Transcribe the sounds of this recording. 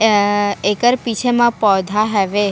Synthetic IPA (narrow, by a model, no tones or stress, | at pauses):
ekəɾpit͡ʃʰemãpɔd̪ʱaɦɛʋe